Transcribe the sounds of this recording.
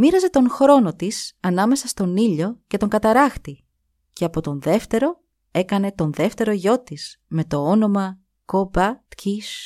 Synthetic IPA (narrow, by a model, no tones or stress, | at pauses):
miɾɐze̞t̪o̞nxɾo̞no̞t̪isɐnɐme̞sɐst̪o̞niʎo̞ce̞t̪o̞ŋɡɐt̪ɐɾɐxt̪i | ce̞ɐpo̞t̪o̞nðe̞ft̪e̞ɾo̞ | e̞kɐne̞t̪o̞nðe̞ft̪e̞ɾo̞ʝo̞t̪isme̞t̪o̞ono̞mɐ | kobɐt̪cʰis